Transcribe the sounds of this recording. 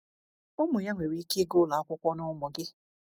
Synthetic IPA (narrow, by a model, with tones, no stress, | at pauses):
ʊ˦mʊ˨ja˦ŋʷe˨ɾi˦ke˦ɡʊ˦˨la˨a˦kʷʊ˦kʷɔ˦nʊ˦mɔ˨ɡɪ˦